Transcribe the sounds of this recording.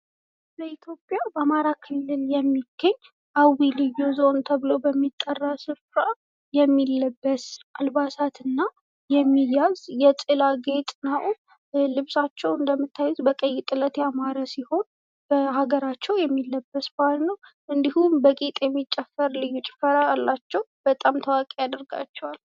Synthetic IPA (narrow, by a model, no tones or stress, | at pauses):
bəit̪ʰjo̞pʼjabəamaɾakʰɨlːɨljɛmːiɡ̥ːəɲː | ʔawilɨjozo̞nt̪ʰəβɨlo̞bəmːit̪ʼːərːasɨfɾa | jɛmːilːəbːəsʔalbasat̪ɨnːa | jɛmːijazjɛt̪ʼɨlaɡe̞t̪ʼnəw | lɨβsat͡ʃːɛwɨnd̪əmːɨt̪ʰːajut̪bəkʼəjːɪt̪ʼɨlət̪jamaɾasiho̞n | b̥əhaɡəɾat͡ʃːɛwjɛmːilːəbːəsbalnəw | ʔɨnd̪ihumbəɡʼit̪ʼjɛmːit͡ʃʼːɛfːəɾlɨjːut͡ʃʼɪ̥fəɾaalːat͡ʃːɛwb̥ət̪ʼamt̪ʰəwakʼejad̪ɨɾɡa̰t͡ʃːɛwal